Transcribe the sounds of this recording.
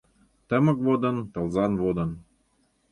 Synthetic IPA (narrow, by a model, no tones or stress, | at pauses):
t̪ə̆mɤ̆k̚vod̪ɤ̆nt̪ɤ̆lzɑnβod̪ɤ̆n